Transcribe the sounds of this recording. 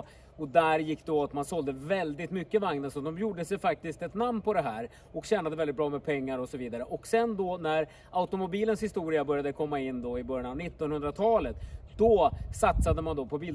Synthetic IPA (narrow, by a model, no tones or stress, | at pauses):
ɔd̪æɾjɪkːd̪ɔat̪mansɔld̪əvɛld̪ɪt̪mʏkːəvaŋnəsɔd̪ɔmjuːɖəsɛjfak̚t̪ɪst̪ɛt̪namnpʰɔd̪ɛɦæːɾ | ɔkɕɛːnad̪əvɛld̪ɪt̪bɾɑːmɛpʰɛŋːaɾɔsɔviːd̪aɾəʔɔksɛnd̪ɔnæɾ | aʊt̪ɔmʊbiːlənshɪst̪uːɾɪabœɾjad̪əkʰɔmːaɪnːd̪ɔɪbœɾjanavnɪt̪ːɔnhɵnd̪ɾat̪ʰɑːlət̪d̪ɔsat̪sad̪əmand̪ɔpʰɔbiːl